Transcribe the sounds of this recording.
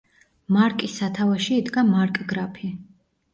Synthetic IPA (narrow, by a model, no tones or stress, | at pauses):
maɾkʼisat̪ʰavaʃiːd̪ɡamaɾkʼɡɾapʰi